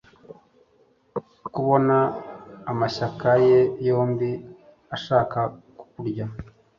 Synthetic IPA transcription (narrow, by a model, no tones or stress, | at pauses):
kuβo̞naː | maʃakaje̞jo̞ːmbi | aʃaːkaku̥kuɾɟa